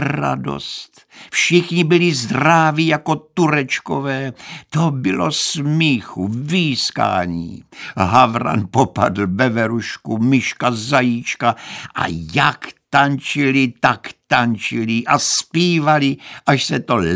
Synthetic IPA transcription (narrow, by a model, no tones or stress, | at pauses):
ɾa̰do̰st̪ | fʃɪxɲɪbɪlɪzd̪ravijako̞t̪uɾɛt͡ʃkovɛːt̪obɪlo̰smiːxuviːska̰ːɲḭːɦavɾa̰npopa̰d̪l̩bɛvɛɾuʃkumɪʃkazajiːt͡ʃkaʔa̰jakt̪ant͡ʃɪlɪt̪akt̪ant͡ʃɪlɪʔaspiːvalɪʔaʃsɛt̪o̞